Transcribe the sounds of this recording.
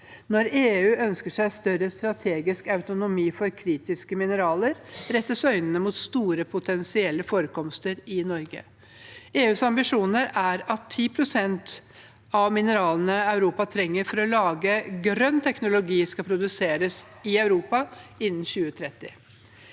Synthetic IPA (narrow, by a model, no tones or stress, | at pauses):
nɔɾeːʉːʔœnskəʂæɪst̪œɾəst̪ɾɑt̪ʰeːɡɪskɑʉt̪ʊnʊmiːfɔɾkʰɾiːt̪ɪskəmɪnəɾɑːləɾɾɛt̪ːəsœʏnənəmʊt̪st̪uːɾəpʰʊt̪ʰɛnsɪɛlːəfoːɾəkʰɔmst̪əɾɪnɔɾɡə̰ | eːʉːsɑmbɪʂuːnəɾæɾɑt̪ʰːiːpʰɾʊsɛnt̪ | ɑʋmɪnəɾɑːlənəɑʉɾuːpɑt̪ʰɾɛŋːəɾfɔɾɔlɑːɡəɡɾœnt̪ʰɛknʊlʊɡiːskɑpʰɾʊd̪ʉseːɾəs | ɪɑʉɾuːpɑɪnːn̩çʉːət̪ʰɾɛt̪ːɪ